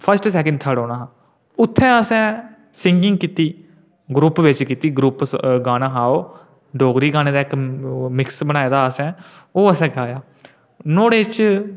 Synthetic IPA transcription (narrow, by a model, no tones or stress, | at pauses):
pʰəɾsʈsɛːkə̃ɳɖ̚t̪ʰəɽoːnaːɦãː | ʊt̪ʰːɛ̃ːəsɛ̃ː | sɪŋɡɪŋɡkiːt̪iː | ɡɾuːpʋɪt͡ʃkiːt̪iːɡɾuːpɡaːnaːɦaːoː | ɖoːɡɾiːɡaːñeːd̪aːɪkmɪksbənãːeːd̪aːəsɛ̃ː | oːəsɛ̃ːɡaːjaː | noːɽeːt͡ʃ